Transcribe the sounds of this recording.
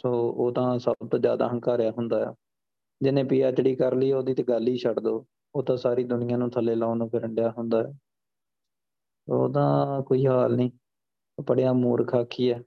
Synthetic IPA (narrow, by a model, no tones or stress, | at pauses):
soːoːt̪ãːsəbt̪õːd͡ʒja̰ːd̪a̰ːɦəŋkaːɾɪjaːɦʊnd̪aːɛ̰ː | d͡ʒɪnẽːpiːaːt͡ʃəɽiːkəɾliːoːd̪iːt̪eːɡəlːiːʃʰəɽd̪oː | oːt̪ãːsaːɾiːd̪ʊnɪjãːnũːt̪ʰəleːlaːnõːpʰɪɾəɳɖɪjaːɦʊnd̪aːɛː | sooːt̪̬ãːkoːiːɦaːlniː | opəɽjaːmuːɾkʰaːkʰːiːɛː